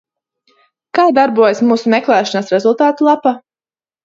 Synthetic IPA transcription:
kaːd̪aɾbuɔjasmuːsumɛklˠæːʃanasɾezulˠt̪aːt̪ulˠapa

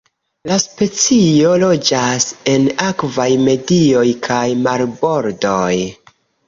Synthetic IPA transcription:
laspe̞t͡sio̞lo̞d͡ʒase̞nakvajme̞dio̞jkʰajmalbo̞ɾdo̞j

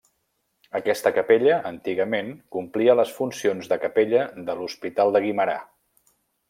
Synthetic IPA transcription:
əkɛst̪əkəpeʎəʔənt̪iɣəmeŋkumpliələsfunsionzðəkəpeʎəðəluspit̪alˠd̪əɣ̞iməɾa̰

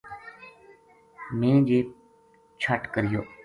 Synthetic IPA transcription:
mẽːd͡ʒeː | t͡ʃʰəʈkəɾɪjoː

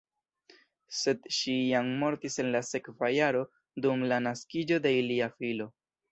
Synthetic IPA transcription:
se̞dʃijammo̞ɾtise̞nlase̞kvajaɾo̞ | dumlanaskid͡ʒo̞de̞iliafilo̞

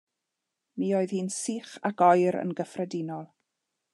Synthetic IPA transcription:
miːoːɨð̥hiːnsiːχakɔjɾə̰nɡəfrɛdinɔlˠ

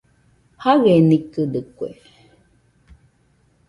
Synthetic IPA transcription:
haɣenikɨdɨkʷḛ

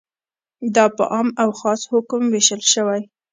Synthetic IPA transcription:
d̪ɑpə̰ʔɑmawxɑshʊkmweʃəlʃəwaj

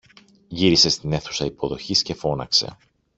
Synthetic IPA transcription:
ʝiɾise̞st̪ine̞θu̥sɐipo̞ðo̞çisce̞fo̞nɐ̰kse̞̰

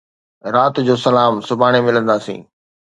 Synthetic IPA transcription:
ɾaːt̪d͡ʑoːsɐlaːmsʊbʱaːɽ̃emɪlə̃nd̪aːsḭ̃ː

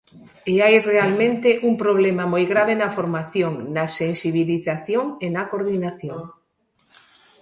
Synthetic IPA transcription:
eajrealmẽnt̪eʔuŋpɾoβ̞lemamojɣɾaβenɐfoɾmaθjoŋnɐsensiβ̞iliθaθjoŋenakoɾðinaθjoŋ

